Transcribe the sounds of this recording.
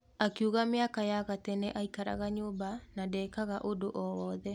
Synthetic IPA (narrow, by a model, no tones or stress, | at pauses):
akiuɣameakajaɣatɛnɛʔaikaɾa̰ɣaɲoːbanadɛːkaɣaʔodoʔɔwɔːðɛ